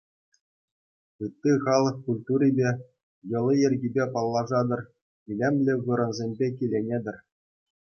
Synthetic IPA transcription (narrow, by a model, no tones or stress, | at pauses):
ɯt̪ːiχɑlˠɤ̆kkulʲt̪uɾʲibʲe | jɤ̆lʲˠiĕrʲɡʲibʲepɑlˠːɑʐɑd̪ɤ̆r | ilʲemʲlʲɘ̆ʋɯɾɤ̆nzʲemʲbʲek̬ʲilʲenʲedʲɘ̆rʲ